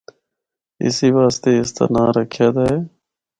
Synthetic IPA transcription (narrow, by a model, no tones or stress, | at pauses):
ɪ̰siːʋaːst̪eːɪst̪a̰ːnaːɾəkʰjaːd̪aːɦeː